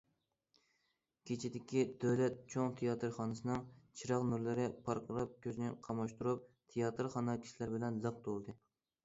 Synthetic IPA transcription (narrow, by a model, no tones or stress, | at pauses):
kʲʰet͡ʃʰid̪ɪkʲid̪̥ølɛt̪̚t͡ʃʰoŋt̪ʰejɑt̪ʰɨɾχɑnɨsɨnɨŋt͡ʃʰiɾɑqnuɾlˠɪɾɪpʰɑɾqʰɾˠɑp̚kʲʰøznɪqʰɑmɑʃt̪uɾup̚t̪ʰejɑt̪ʰɨɾχɑnɑkʲʰi̥ʃilɪɾbɪlɛnzəq̚t̪olˠd̪ɨ